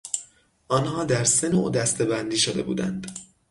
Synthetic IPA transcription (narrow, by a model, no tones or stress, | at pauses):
ʔɒnhɒːd̪æɾse̞noːʔd̪æst̪e̞bænd̪iːʃod̪e̞bṵːd̪æ̰nd̪̥